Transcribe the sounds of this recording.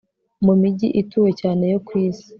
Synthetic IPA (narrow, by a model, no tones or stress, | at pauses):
mumiɟiʔituwe̞caːne̞jo̞kwiːzi̥